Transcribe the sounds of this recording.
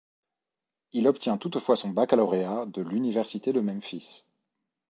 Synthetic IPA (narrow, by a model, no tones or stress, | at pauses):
ilɔpt̪jɛ̃t̪ut̪fwasɔ̃bakalɔʁead̪əlynivɛʁsit̪ed̪əmɛmfis